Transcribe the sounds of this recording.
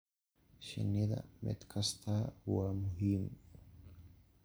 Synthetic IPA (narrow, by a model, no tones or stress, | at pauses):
ʃa̰nid̪a̰mḛt̪kʰast̪ʰawamʊɦim